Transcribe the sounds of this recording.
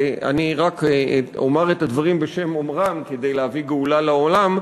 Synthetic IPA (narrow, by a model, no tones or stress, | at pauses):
a̰niʁako̰maʁet̪ad̪vaʁimbeʃe̞momʁamked̪ejleaviɡeulalaolam